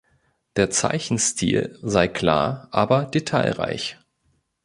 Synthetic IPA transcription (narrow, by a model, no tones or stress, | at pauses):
d̥eːɐt͡sa̰ɪçn̩stʰḭːlzaɪkʰl̥a̰ːɐʔaːbɐdetʰaɪlʁa̰ɪç